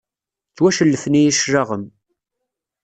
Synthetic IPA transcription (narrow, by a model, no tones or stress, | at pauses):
t͡sːwæʃəlːəfnijiʃɾɑʁəm